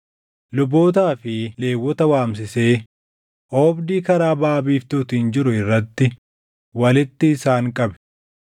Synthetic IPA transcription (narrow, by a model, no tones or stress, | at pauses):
lʊbo̞ːt̪̬aːfɪle̞ːwːɔt̪ɐwaːms̬ɪse̞ː | ʔoːbd̪iːkɐɾaːbaːbiːft̪uːt̪iːnd͡ʒɪɾʊɪrːɐt̪ːɪ | wɐlɪt̪ːɪːsaːŋkʼɐbɛ̥